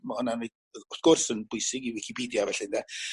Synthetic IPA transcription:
mahʊnanid | ɔθkʰʊrsənbʊjsɪɡivikʰipʰiːdjavɛɬɪndɛ

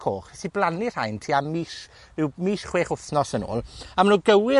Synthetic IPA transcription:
kʰoːχɛsiblˠanɪr̥hajntʰiːamiːʃ | ɪwmiːʃχweːχʊθnɔsəno̰ːlˠamanuːɡəwɪ

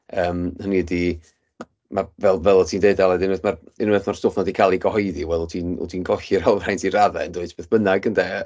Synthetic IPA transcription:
əːmhənidi | mavɛlˠvɛlˠɔtʰiːndeɨdalˠɛdɪnwɨθmarɪnwɨθmarstoːfnɔdikʰaːlˠiɡɔhɔɨðiwɛlˠɔtʰiːnɔ̰dʰiːnɡɔɬiɾalˠvrajntʰiɾaðɛ̰ndʊɨdb̥eːθb̥ənaɡəndɛ

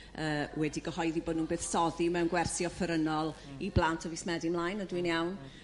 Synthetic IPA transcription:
əːwɛdiɡəhɔjðiboːdnuːnbeːθsɔðimɛwnɡwɛrθiɔfəɾənɔlˠ | iblˠantʰɔvismɛdimlˠaːjnədwinjawn

